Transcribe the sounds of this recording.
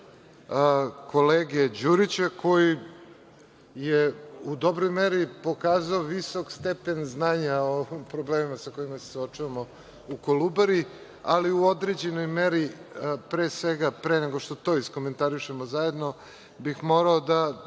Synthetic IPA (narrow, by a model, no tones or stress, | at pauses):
ko̞leːɡed͡ʑuɾit͡ɕekʰo̞ji | jeud̪o̞bɾojmeɾipo̞kaːzaoʋiso̞kst̪epe̞nznaːɲaompɾobleːmimasako̞imase̥sot͡ʃuʋamo̞ | ukolˠubaɾi | aliuo̞d̪ɾe̞d͡ʑe̞no̞jmeɾipɾeːsʋeɡapɾeːneɡoʃt̪o̞t̪o̞isko̞ment̪aɾiʃe̞mozajed̪no̞ | bixmo̞ɾaod̪a